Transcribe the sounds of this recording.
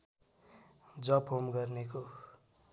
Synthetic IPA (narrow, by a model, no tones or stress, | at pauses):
d͡zʌpʰomɡʌrneko